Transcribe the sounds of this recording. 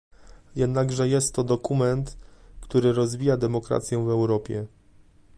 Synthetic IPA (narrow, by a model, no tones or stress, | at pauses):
jɛd̪naɡʐɛjɛst̪ːɔd̪ɔkumɛnt̪kt̪uɾɘɾɔzvʲijad̪ɛmɔkɾa̰t̪sʲjɛ̃vɛwɾɔpʲjɛ